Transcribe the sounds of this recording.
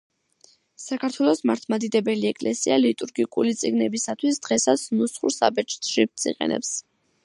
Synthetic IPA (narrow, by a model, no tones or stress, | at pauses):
sakʰaɾt̪ʰwɛlˠɔsmaɾt̪ʰmad̪id̪ɛbɛliɛkʼlɛsialit̪ʼuɾɡikʼulit̪sʼiɡnɛbisat̪ʰwisd̪̥ʁɛsat̪sʰnusχṵɾsa̰bɛt͡ʃ̪ʼɾip̚t̪sḭqʼɛ̰nɛ̰ps